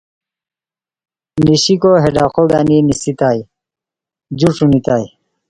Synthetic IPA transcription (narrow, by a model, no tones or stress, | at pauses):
niɕikoɦeɖaːqʰoɡaninisit̪aj | d͡ʑuʈ͡ʂunit̪aːj